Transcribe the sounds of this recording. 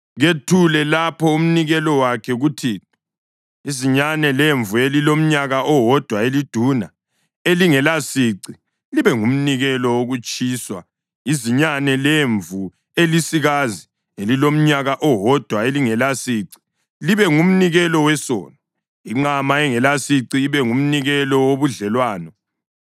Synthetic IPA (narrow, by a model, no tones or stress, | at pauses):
ɣetʰulɛlapʰɔum̩niɣɛlɔwakʰɛɣutʰi | iziɲanɛleɱvuelilom̩ɲaɣaʔɔwɔd̥ʱwaelid̥ʱuna | eliŋɛlasiǀi | liβɛŋum̩niɣɛlɔwoɣut͡ʃʼʰiːswa | iziɲanɛleɱvu | elisiɣazi | elilom̩ɲaɣaʔɔwɔd̥ʱwaeliŋɛlasiːǀi̥ | liβɛŋum̩niɣɛlɔwɛsɔ̰ːnɔ | iŋ͡ǃamaɛŋɛlasiǀiːβɛŋum̩niɣɛlɔwoβuɮɛlwaːnɔ